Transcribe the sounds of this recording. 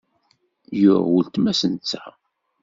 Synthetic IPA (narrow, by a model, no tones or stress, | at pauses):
jʊɾwult̪mæsənt͡sːa